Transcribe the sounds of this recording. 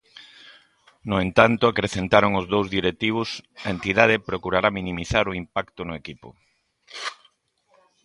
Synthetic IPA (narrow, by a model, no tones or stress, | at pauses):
nʊent̪ant̪ʊakɾeθent̪aɾoŋʊzðowzðiɾet̪iβ̞ʊsɐent̪iðað̞epɾokuɾaɾaminĩmiθaɾʊimpakt̪ʊnʊekipʊ̰